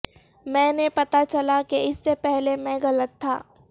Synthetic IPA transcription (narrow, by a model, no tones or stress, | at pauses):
mɛ̃ːnepɐt̪at͡ʃɐlakeɪsːepɛɦlemɛ̃ɣɐlət̪ʰːa̰ː